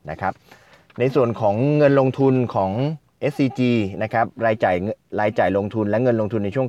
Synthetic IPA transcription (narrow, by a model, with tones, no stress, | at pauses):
na˦˥kʰɾa˦˥p̚ | na˧jsu˨˩ənkʰɔː˩˦ŋːɤ˧nloː˧ŋt̪ʰu˧nkʰɔː˩˦ŋ | ʔe˦˥ssiː˧t͡ɕiː˧na˦˥kʰa˦˥p̚ɾaː˧jt͡ɕaː˨˩jɾaː˧jt͡ɕaː˨˩jloː˧ŋt̪ʰu˧nlɛ˦˥ŋɤ˧nloː˧ŋt̪ʰu˧nːa˧jt͡ɕʰu˥˩ə˨˩